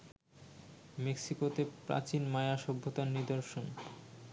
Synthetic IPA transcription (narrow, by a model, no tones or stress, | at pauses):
meksikot̪epɾa̰t͡ɕinmajaʃɔbʱːot̪aɾnid̪oɾʃon